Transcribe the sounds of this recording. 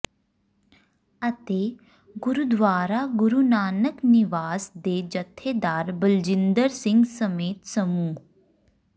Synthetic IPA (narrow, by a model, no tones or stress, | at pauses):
ət̪eː | ɡʊɾud̪ʋaːɾaɡʊɾunaːnəknɪʋaːsd̪eːd͡ʒɐt̪ʰːeːd̪aːɾbəld͡ʒɪ̃nd̪əɾsɪ̃ŋɡsəmeːt̪səmuːɦ